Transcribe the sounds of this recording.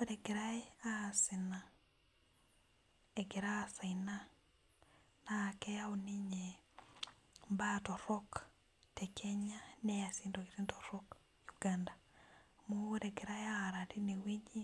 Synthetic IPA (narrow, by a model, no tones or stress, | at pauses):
oɾɛɡɪɾaeaːsina | eɡɪɾaːsaina | nakɛjauniɲe | mbatɔɾɔk | tɛkʰɛɲanɛasindoɡiɾintɔɾɔk | juɡandamoɾɛɡiɾaeaːɾatinewid͡ʒi